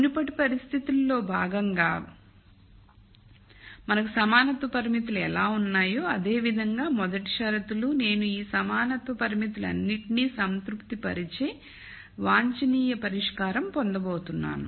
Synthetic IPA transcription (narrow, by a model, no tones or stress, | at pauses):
nupɐʈipɐɾist̪ʰit̪ulːo̞ːbʱaːɡɐŋɡaː | mɐnɐkusɐmaːnɐt̪ʋɐpɐɾimit̪̬uluɛlaːunːaːjoːɐd̪e̞ːʋid̪ʱɐŋɡaːmɔd̪ɐʈi̥ʃɐɾɐt̪ulune̞ːnuiːsɐmaːnɐt̪ʋɐpɐɾimit̪̬ulɐ̰nːiʈniːsɐnt̪ɾupt̪ipɐ̰ɾit͡ʃeː | ʋaːɲt͡ʃɐniːjɐpɐɾiʂkaːɾɐmpɔnd̪ɐboːt̪unːa̰ːnu